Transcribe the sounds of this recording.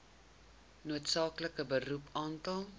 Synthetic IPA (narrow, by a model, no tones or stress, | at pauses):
nuətsɑːkləkəbərupɑːntɐlˠ